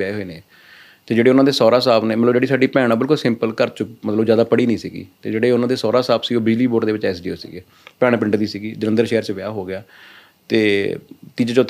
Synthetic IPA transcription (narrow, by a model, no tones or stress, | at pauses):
aːeɦoiːnẽː | t̪eːd͡ʒeːɽeːʊnãːd̪eːsɔːɾaːsaːpneːmət̪ləbd͡ʒeːɽiːsaːɖiːpɛːɽ̃ãːbɪlkʊlsɪmpəlkəɾt͡ʃmət̪ləbzjaːd̪aːpəɽiːnĩːsiːɡḭːt̪ḛːd͡ʒeːɽeːʊnãːd̪eːsɔːɾaːsaːpsiːoːbɪd͡ʒliːboːʈd̪eːʋɪt͡ʃɛːsɖiːoːsḭːɡeː | pɛːɽ̃ːpɪ̃ɳʈd̪iːsiɡiːd͡ʒənə̃nd̪əɾʃeːəɾt͡ʃʋɪjaːɦoːɡɪjaː | t̪eːt̪iːd͡ʒt͡ʃʊt̪ʰː